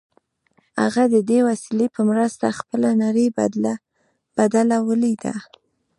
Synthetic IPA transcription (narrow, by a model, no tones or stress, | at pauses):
ha̰ɣad̪əd̪ewasilepəmɾəst̪axpəlanaɾəj | b̥ad̪alawəlid̪a̰